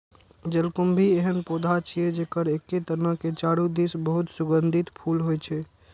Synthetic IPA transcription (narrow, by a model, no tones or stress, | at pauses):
d͡ʒəlkumbʱieɦənpod̪ʱat͡ʃʰied͡ʒekəɾekːet̪əɾnaket͡ʃaɽud̪isbəɦut̪sʊɡənd̪ʱit̪pʰulɦojt͡ʃʰɛ